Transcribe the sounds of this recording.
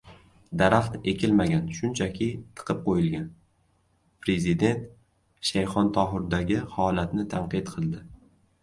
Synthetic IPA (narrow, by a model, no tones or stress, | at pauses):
d̪aɾaχt̪e̞kʲɪlmaɡʲanʃʊnt͡ʃʰakʲʰɪt̪ʰɨ̥qʰɨp̚qʰojɪlɡʲan | pɾe̞zid̪e̞nt̪ | ʃajχɒnt̪ʰɒɦʊɾd̪aɡʲɪhɒlat̪nɪt̪ʰanqɨt̪qʰɨlˠd̪ɪ